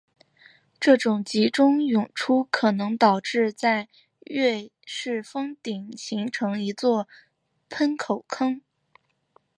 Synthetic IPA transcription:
ʈ͡ʂɤ˥˩ʈ͡ʂʊ˨˩ŋt͡ɕi˧˥ʈ͡ʂʊ˥ŋjʊ˨˩ŋʈ͡ʂʰu˥kʰɤ˨˩nɤ˧˥ŋt̪ɑ˨˩ʊʈ͡ʂɻ̩˥˧t͡sa˥˧ɪ | ɥɛ˥˧ʂɻ̩˥˩fɤ˥ŋt̪i˨˩ŋɕi˧˥ŋʈ͡ʂʰɤ˧˥ŋi˧˥t͡swɔ˥˩ | pʰə˥nkʰo˨˩ʊkʰɤ˥ŋ

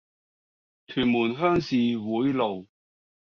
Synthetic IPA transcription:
t̪ʰyː˨˩nmuː˨˩nɦœː˥ŋsiː˨wuː˨˥jlo˨˩w

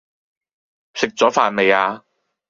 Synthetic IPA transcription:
sɪ˨k̚t͡sɔː˨˥faː˨˧nme˨˧jaː˧

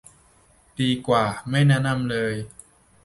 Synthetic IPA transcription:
diː˧kwaː˨˩ma˥˩jnɛ˦˥na˧˨mlɤː˧j

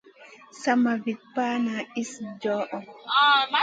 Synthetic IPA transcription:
sa˦ma˨vi˨t̪̚pa˦na˨i˦sd͡ʒɔ˦ʔɔ˨

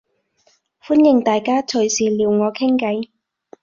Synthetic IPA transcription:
fuː˥njɪ˨˩ŋt̪aː˨jkaː˥t͡ʃʰɵ˨˩ɥsiː˨˩liː˨˧wŋɔː˨˧kʰɪ˥ŋkɐ˨˧j

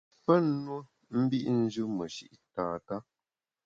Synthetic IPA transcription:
pə˦n̩˦nwo˦ | m̩˦bi˦ʔn̩˦d͡ʒɨ˦mə˨ʃi˦ʔtaː˨ta˦

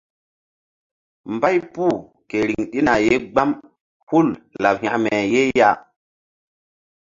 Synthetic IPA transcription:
mba˦jpu˦˨ | ke˨ɾi˨ŋɗi˦na˨je˦ɡ͡ba˦m | hu˦˨lla˨p̚ha̰˨ʔme˨je˦ja˦

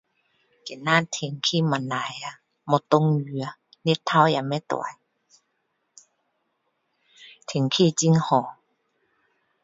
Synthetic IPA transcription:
ke˨na˧˨t̪ʰe˨˩ŋkʰi˧˩˨ma˨˧˨na˨˧˦ja˧˨ | mɔ˧t̪o˧˨ŋjy˧˩ə˧ | ni˧˥˨t̪ʰːa˥˧˩wja˧˨mɛ˧˦t̪ɔ̰˨˧˨a˦j | t̪ʰe˨ŋkʰi˧˨t͡ɕi˧˥˨ŋhɔ˨˩

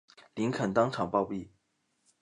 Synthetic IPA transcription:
li˧˥ŋkʰə˨˩nt̪ɑ˥ŋʈ͡ʂʰɑ˨˩ŋpɑ˥˧ʊpi˥˩

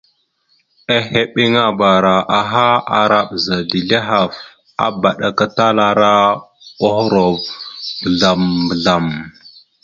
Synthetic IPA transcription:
a˦he˦ɓe˦ŋa˦ba˨ɾa˨ʔa˨ɦa˦a˨ɾa˦ɓza˨di˨ɮe˦ɦa˨v | a̰˦ba˨ɗa˨ka˦ta˦la˦ɾa˦o˦xɾo˨vbə˨ɮa˨mbə˨ɮa˨m

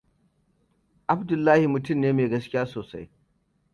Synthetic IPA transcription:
ʔa˦bdʊ˨lːaː˦hi˨mʊ˨tʊ˦˨mneː˦meː˨ɡɐ˦skʲɪ˦jaː˦soː˨sa̰˦j

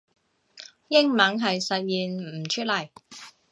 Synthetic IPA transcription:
jɪ˥ŋmɐ˨˥ŋɦɐ˨jsɐ˨t̚jiː˨n̩˨˩t͡ʃʰɵ˥t̚lɐ˨˩j

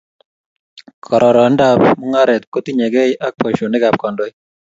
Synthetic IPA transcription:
kʰɔɾɔ˨ɾɔ˨nda˦pmɔ˦ŋa˦ɾɛ˨t̪̚ko˦t̪i˦ɲɛ˨ɡɛ˦jʔa˦k̚pɔ˨ʃo˨nɪ˦ɡa˨p̚kɔ˨ndo˦j

